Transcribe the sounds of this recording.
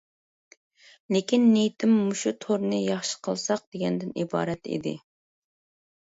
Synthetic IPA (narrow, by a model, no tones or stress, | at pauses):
lekʲinːejt̪ʰɪmːuʃut̪ʰoɾnɨjɑχʃə̥qʰəlˠsɑq̚d̪eɡʲɛnd̪ɪnibɑ̰ːɾɛt̪ḭd̪ɪ̰